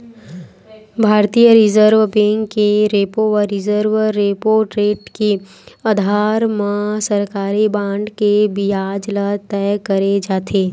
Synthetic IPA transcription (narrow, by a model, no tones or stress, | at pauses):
bʱaːɾt̪ijəɾɪzəɾʋbẽŋkːeɾeːpoʋəɾɪzəɾʋːepoːɾʈɾeːʈke | ɐd̪ʱaːɾmãsəɾkaːɾibãːɳɖkebiaːd͡ʒlat̪ɛjkəɾed͡ʒaːt̪ʰeː